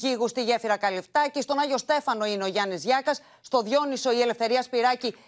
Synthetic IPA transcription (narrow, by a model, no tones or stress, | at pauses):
iɣust̪iʝe̞fiɾɐkɐlift̪ɐcest̪o̞nɐʝo̞st̪e̞fɐno̞ineo̞ʝɐnizʝɐkɐsːt̪o̞ðʝo̞niso̞ie̞le̞fθe̞ɾiɐspiɾɐci